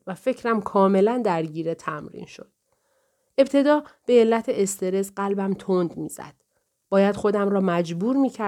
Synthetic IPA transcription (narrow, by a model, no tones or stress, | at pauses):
væfe̞cʰɾæmkʰɒːme̞lænd̪æɾɟiːɾet̪ʰæmɾḭːnʃod̪̥ | e̞b̚t̪ʰe̞d̪ɒːb̥e̞ːlːæt̪ʰeʔest̪ʰe̞ɾe̞zɢælbæmt̪ʰond̪mḭːz̥æ̰d̪̥ | b̥ɒːjæd̪̥xo̞d̪æmɾɒːmæd͡ʒbuːɾmiːcʰæ